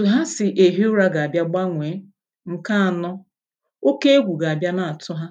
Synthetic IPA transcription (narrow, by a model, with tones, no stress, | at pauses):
tʊ˨ɦa˦sɪ˨ʔe˨ɦi˦ʊ˦ɾa˦ɡa˨a˨bja˦ɡ͡ba˦ŋʷe˨˦ | ŋ̩˨ka˦a˨nɔ˦ | o˦ke˦e˦ɡʷu˨ɡa˨a˨bja˦na˨a˨tʊ˦ɦa˦